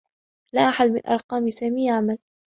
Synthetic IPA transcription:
laʔaħad̪mɪnʔɑ̰ɾˤqɑːmsaːmiːaʕmal

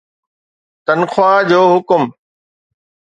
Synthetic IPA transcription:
t̪ɐnxwaːd͡ʑoːɦʊkʊm

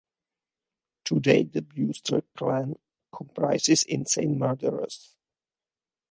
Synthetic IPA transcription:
tʰudḛɪd̪əbjustʰə̰˞kʰlæ̃n | kʰɔ̃mpʰɹaɪsɪsɪ̰̃nsḛ̃ɪ̃ntmaɹdəɹə̰s

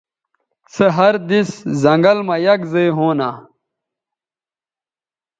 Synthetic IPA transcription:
sɐɦɐɾd̪iszɐŋɡɐlmɐjɐɡzeɦoːnaː

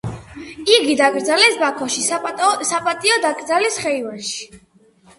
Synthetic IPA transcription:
iɡid̪aɡʼɾd̪zalɛsbakʰɔʃisapʼat̪ʼiɔd̪aɡɾd̪alɛsχɛivanʃi̥

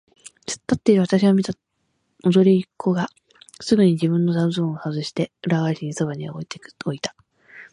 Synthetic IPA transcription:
t͡sɨ̥t̪ːat̪ːeiɾɯ̟βat̪aɕiɡamʲit̪a | oʑo̞ɾʲiikʰːo̞ɡa | sɨɡɯ̟ɲ̟id͡ʑibɯ̟̃nːozaɯ̟zõɰ̃ohazɨɕi̥t̪e̞ɯɾaɡaɕiɲiso̞βaɲ̟ia̰oit̪eoit̪ḁ

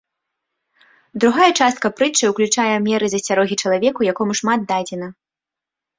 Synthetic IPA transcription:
d̪ɾuɣajɛt͡ʂast̪̚kɐpɾɨt͡ʂɐwklʲut͡ʂajɛmʲɛɾɨzɐsʲaɾɔɣʲit͡ʂɐlˠavʲɛkujakɔmuʂmad̪̚d̪ad͡zʲɛnɐ

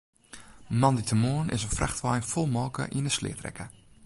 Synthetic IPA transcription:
mɑnditʰəmoənʔɪ̰sənfraxtʋajnfolˠmɔːkə̰ʔinəslɪ̰ətrɛ̰kə

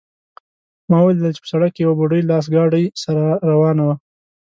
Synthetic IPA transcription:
mɑwəweled̪ɪlt͡ʃe̥pə̥saɽak̚kejawabʊɖəjlɑs̬ɡɑɖəjsaɾaɾawɑnawa

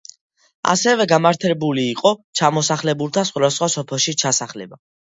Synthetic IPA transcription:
a̰sɛvɛɡamaɾt̪ʰɛbuliːqʼɔt͡ʃʰamɔsaχlɛbuɾt̪ʰasχwad̪asχwasɔpʰɛlˠʃit͡ʃʰasaχlɛba

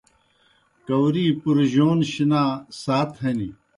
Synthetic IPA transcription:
kɐwɾiːpuɾʑoːnɕinaːsaːt̪ʰɦɐni

